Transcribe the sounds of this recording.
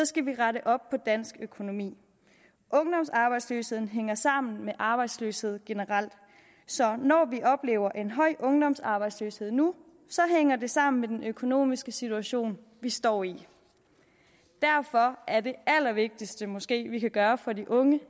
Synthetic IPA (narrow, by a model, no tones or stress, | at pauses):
sɒ̽sɡ̥æʋiʁaɾəʔɒ̽b̥̚pʰɒ̽d̥æn̰sɡ̥økʰo̝no̝mḭː | ʔɔ̽ŋd̥ɒ̽msɑ̈ːb̥ɑ̈ɪd̥sløːshe̝ð̰ˠn̩ɦeŋɐsɑ̈m̰n̩meʔɑ̈b̥ɑ̈ɪd̥sløːshe̝ð̞̰ˠɡ̥e̝nəʁɑl̰d̥ | sɒ̽nɒːʋiʔɒ̽b̥le̝̰ːʊɐʔe̝nɦɒ̽ɪ̰ʔɔ̽ŋd̥ɒ̽msɑ̈ːb̥ɑ̈ɪd̥sløːshe̝ð̰ˠnu | sɒ̽ɦeŋ̰ɐde̝sɑ̈m̰n̩med̥enʔøkʰo̝no̝̰ːmisɡ̥əsit͡sʰuæɕo̝̰ːn | ʋisd̥ɒ̰ːi | d̥æɐfɒ̽ʔæɐde̝æl̰ɐʋe̝ɡ̥̚d̥isd̥əmɔ̽sɡ̥e̝̰ːʋikʰæɡ̥ɶːɐfɒ̽diʔɔ̽ŋə